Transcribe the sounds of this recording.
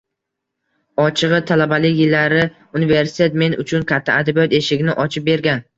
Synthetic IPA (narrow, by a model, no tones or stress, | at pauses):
ɒt͡ʃʰɨʁɨt̪ʰalabalɪkʲjɪlːaɾɪ | ʊnive̞ɾsɪ̥t̪ʰet̪me̞nʊ̰t͡ʃʰʊnkʰʲat̪ʰːaad̪abijɒt̪e̞ʃɪɡʲnɪʔɒt͡ʃʰɪp̚be̞ɾɡʲan